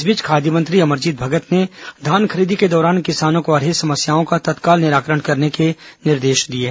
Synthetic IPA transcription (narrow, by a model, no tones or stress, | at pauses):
sbɪt͡ʃkʰaːd̪jəmə̃nt̪ɾiɐməɾd͡ʒiːd̪̚bʱɐɡət̪ned̪ʱaːnkʰɐɾiːd̪iked̪ɔːɾaːnkɪsaːnõkoɐɾɦesɐməsjaːõkat̪ɐt̪kaːlnɪɾaːkɾəɽ̃kɐɾnekenɪɾd̪eːʃd̪ieː